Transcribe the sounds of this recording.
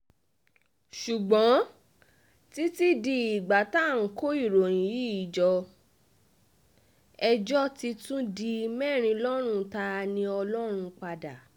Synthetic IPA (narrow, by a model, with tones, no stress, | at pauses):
ʃu˨ɡ͡bɔ̃˨˦ | ti˦ti˦di˧i˨ɡ͡ba˨˦ta˦˨ŋ̩˨˦ko˦i˦˨ɾo˨j̃ĩ˨ji˦i˨d͡ʒɔ˧ | ɛ˧d͡ʒɔ˦ti˧tũ˦di˧mɛː˦˨ɾ̃ĩ˧lɔ˦ɾ̃ũ˧ta˧nĩ˧ɔ˧lɔ˦ɾ̃ũ˧k͡pa˧da˨